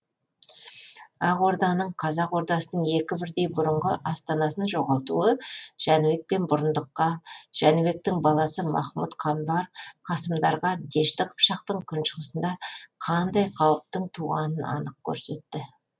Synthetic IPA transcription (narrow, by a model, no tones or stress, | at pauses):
ɑqo̞ɾd̪ɑnəɴqʰɑzɑqwo̞ɾd̪ɑsənəɴe̞kʲɪbɪɾd̪e̞jbʊɾəɴʁəʔɑst̪ɑnɑsənʒo̞ʁɑlˠt̪uəʒ̥ænwe̞k̚pe̞nbʊɾənd̪əqːɑʒ̥ænwe̞k̚t̪ɪŋbɑlˠɑsəmɑ̰χmut̪qʰɑmbɑɾqʰɑsəmd̪ɑɾʁɑd̪e̞ʃt̪ɪqʰə̥pʃɑq̚t̪əɴkʲʰʏnʃəʁəsənd̪ɑqʰɑnd̪ɑjqʰɑwəp̚t̪əɴt̪ʰuʁɑ̰nənɑ̰nəq̚kʲʰɵ̰ɾse̞t̪ːɪ